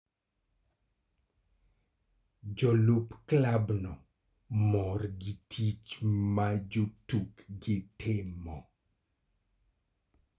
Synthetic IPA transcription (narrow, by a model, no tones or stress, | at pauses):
d͡ʒɔlupklabnɔ | mɔrɡitʰit͡ʃmad͡ʒotukɡɪtʰɪmɔ